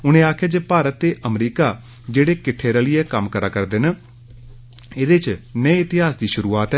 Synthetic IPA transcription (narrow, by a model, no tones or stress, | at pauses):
ʊñẽːaːkʰjaːd͡ʒeːpaːɾət̪ːeːʔəmɾiːkaː | d͡ʒeːɽeːkɪʈʰːeːɾaːliːɛːkəmkəɾaːkəɾd̪ɪn | ɪd̪eːt͡ʃnəeɪt̪ɪɦaːsd̪iːʃʊɾuːaːt̪ɦɛ